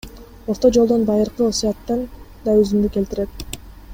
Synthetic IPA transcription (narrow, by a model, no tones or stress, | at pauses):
o̞ɾt̪o̞d͡ʒolˠd̪o̞nbɑjɯɾqɯosiɑt̪ːɑnd̪ɑøzymd̪yke̞lt̪iɾe̞t̪̚